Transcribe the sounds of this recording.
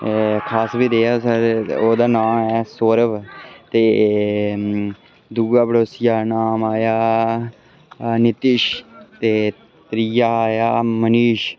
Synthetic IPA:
kʰaːsbiːd̪eːaːsəɾoːd̪aːnaːmɛːsoːɾəʋt̪eː | d̪uːɡaːbəɽoːsɪjaːnaːmaːjaː | nɪt̪ɪʃt̪eː | t̪ɾijaːaːjaːməniːʃ

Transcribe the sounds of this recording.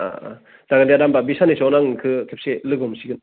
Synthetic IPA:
a̰ | d̥aɡalijadambabisanesɔnaŋkʰɯkʰep̚selɯɡɔmsiɡɯn

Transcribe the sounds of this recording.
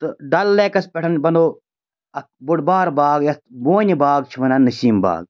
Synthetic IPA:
t̪ɨɖɐlːekɐspʲeʈʰɐnbɐnd̪oː | ɐkbuɽbaːɾbaːɡjɐt̪boːnʲbaːɡ̚t͡ʃʰiʋɐnanːɐsiːmba̰ːɡ̚

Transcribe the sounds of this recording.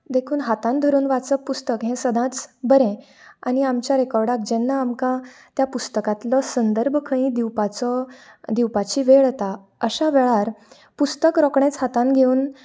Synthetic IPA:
d̪ekʰuːnɦat̪ãnd̪ʱəɾuːnʋat͡səpust̪əkɦẽsəd̪ʱãt͡sbəɾẽ | aniamt͡ɕjaɾekɔɾɖak̚d͡ʑɛnːaːmkã | t̪japust̪əkat̪lɔsənd̪əɾbʱkʰəĩːd̪iwpat͡sɔd̪iwpat͡ɕiːʋeɭt̪a | əɕaʋeɭaɾ | pust̪əkɾɔkɳẽt͡shat̪ãnɡʱeuːn

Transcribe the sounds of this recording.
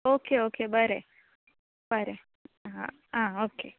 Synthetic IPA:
oːkeoːkebəɾe | b̥əɾe | ɦã̰ | ãːoːke

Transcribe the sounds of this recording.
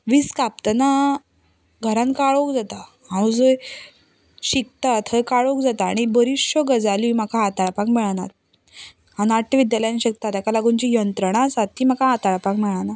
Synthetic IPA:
ʋiskap̚t̪əna | ɡʱəɾãnkaɭokd͡zat̪a | hãwd͡zəj | ɕik̚t̪at̪ʰəjkaɭokd͡zat̪aːɽ̃ibəɾiɕɔɡəd͡zalimakʰaɦat̪aɭpãkmɛɭana̰t̪̚ | ɦãnaʈːəʋid̪jaləjãnɕik̚t̪at̪jakalaɡuɲt͡ɕijənt̪ɾəɽ̃asat̪ːiːmakaɦat̪aɭpãkmɛɭana

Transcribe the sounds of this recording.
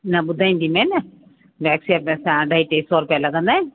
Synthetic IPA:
nabʊd̪ʱaĩnd̪imẽna | ʋɛksiɐp̚nẽsãɖʱaiʈesɔːɾupjalɐɡə̃nd̪ã

